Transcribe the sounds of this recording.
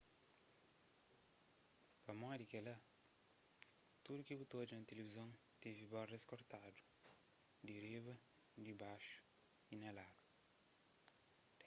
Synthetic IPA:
pɐmɔd̪ikelɐ | t̪ud̪ukibut̪od͡ʒinɐt̪elevizɐ̃w̃ | t̪evibɔreskoɾt̪ad̪u̥ | d̪iɾibɐ | d̪ibaʃu̥ | inɐlaɡu

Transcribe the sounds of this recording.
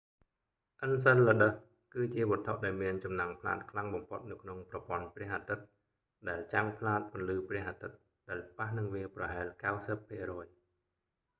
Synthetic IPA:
ʔəns̬əllːəɗəh | kɨːt͡ɕiəɓɔət̪ʰoʔɗaɔlmiənt͡ɕɑmnaŋpʰla̰ːt̪̚kʰlaŋɓɑmpʰot̪̚nɨwkʰnoŋprɑpŏənprɛ̆əhʔat̪ɨt̪̚ | ɗaɛlt͡ɕaŋpʰlaːt̪̚pʊ̆ənlɨːprɛ̆əhʔat̪ɨt̪̚ | ɗaɛlpahnɨŋʋiəprɑɦaɛlkawsəpʰːiərɔːj

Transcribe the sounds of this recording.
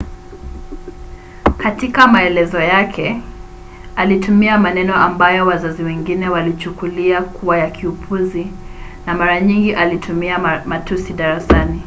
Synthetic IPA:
katikamaɛlɛzɔjakʰɛ | alitumiamanɛnɔambajɔwazaziwɛŋɡinɛwalit͡ʃukuliakuwajakʰiupʰuzinamaɾaɲiŋɡiʔalitʰumiamatusiɗaɾasani

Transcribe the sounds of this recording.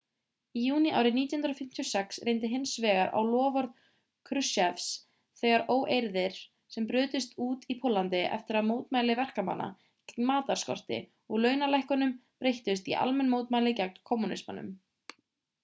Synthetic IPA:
ijuːnia̰ːwɾɪniːt̪jʏnɾɔfɪm̥t̪ʰiɔsɛksreːjnt̪ɪɦɪnsvɛːɣaɾʔa̰wlɔːvɔɾð | kʰɾʏsɛfs | θɛːɣaɾʔoːwʔejɾðɪɾ̥ | sɛmpɾʏːt̪ɪst̪uːt̪ipʰʊlːant̪ɪʔɛ̰ft̪ɪɾaðmoːwt̪maːjlɪvɛr̥kama̰nːa̰ | cɛmaːt̪aɾ̥skɔ̰r̥t̪ɪ̰ | ɔɣlœːɥnalajhkʏnʏmpɾejht̪ʏs̬t̪ḭʔa̰lmɛnmowt̪maːjlɪcɛk̚nkʰɔmːunɪ̰sma̰nʏ̰m

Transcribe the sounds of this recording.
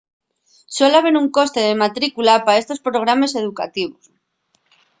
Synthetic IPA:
so̞laβ̞e̞ɾuŋko̞st̪e̞ð̞e̞mat̪ɾikulapae̞st̪o̞spɾo̞ɣ̞ɾame̞se̞ð̞uka̰t̪iβ̞os

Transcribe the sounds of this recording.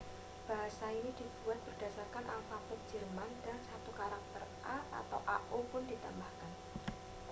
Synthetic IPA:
b̥a̤ɦasainid̥ipuɛt̪̚b̥ərd̥asarkanʔapap̪ʊk̚d̥d͡ʒ̥ərmandansat̪ukaɾak̚t̪ərʔaa̰t̪awʔa̰ʔopʊndit̪a̰mbahkan

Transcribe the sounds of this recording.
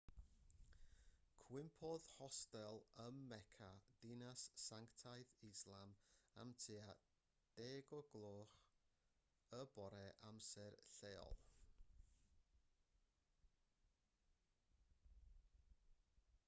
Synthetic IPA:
kʰwɪmpʰɔðhɔstɛlˠəmːɛkʰad̥ɪnasːaŋktʰajðɪslˠama̰mtʰia | d̥eːɡɔɡlˠoːχ | əbɔɾɛʔamsɛrɬeːɔ̰lˠ

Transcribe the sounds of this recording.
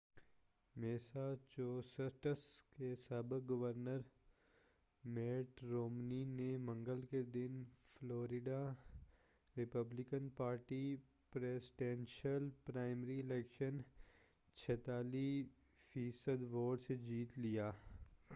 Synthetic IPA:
meːsat͡ʃoːsəʈəskesaːbəkɡɐʋəɾnəɾ | mɛːʈɾoːmninemɐ̃ŋɡəlked̪ɪnfʰloːɾɪɖa | ɾɪpəblɪkənpaːɾʈi | pɾeːsɖẽːnʃəlpɾaːɪmɾiɪlɛːkʃən | t͡ʃʰɛːt̪aːliː | fʰiːsəd̪ʋoːʈsed͡ʒiːt̪lijaː

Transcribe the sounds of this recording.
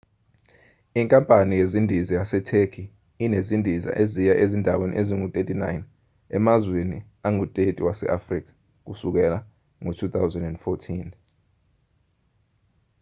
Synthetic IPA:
iŋkʼampʼanijezindʱizijasɛtʰekʰi | inezindʱiza̰ʔezijaʔezindʱawenḭʔeziŋutʼetʼina̰jn | ɛ̰mazweni | aŋutʼetʼiwasɛ̰ʔafrik̬ʰḁ | k̬usuk̬ɛla | ŋotʰut̪ʰawzɛndɛnd̥fɔtʰin

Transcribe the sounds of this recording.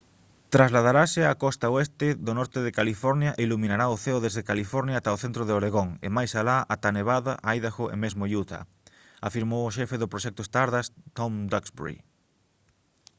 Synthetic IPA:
t̪ɾazlað̞aɾasɪakɔst̪aoest̪ɪðonɔɾt̪ɪðɪkalifɔɾnjaʔeiluminaɾaʊθeʊðezðekalifɔɾnjaːt̪aoθent̪ɾoðeoɾeɣoŋḛmajsalaʔat̪aneβaðaʔajðaxʊʔḛmezmojut̪a̰ | afiɾmowʊʃɛfeðʊpɾoʃɛk̚t̪ʊest̪aɾðast̪omd̪aksbṵɾḭ

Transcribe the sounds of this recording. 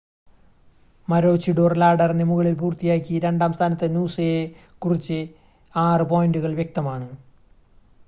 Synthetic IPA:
mɐɾo̞ːt͡ɕiɖoːrlaːɖɐrinɨmuɣɐɭilpuːrt̪ijaːkʲːiɾe̞ɳɖaːmst̪ʰaːnɐt̪ːɨnuːseje | kurit͡ɕːɨ | aːrɨpo̞ːjinɖuɣɐɭʋjek̚t̪ɐmaːɳɨ

